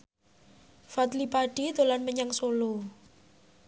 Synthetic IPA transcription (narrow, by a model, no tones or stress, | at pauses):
fat̪lipaɖ̥it̪olanməɲaŋsolo